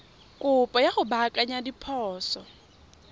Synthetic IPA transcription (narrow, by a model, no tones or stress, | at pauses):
kʼʊpʼɔjaχʊbakʼaɲadipʰɔːsɔ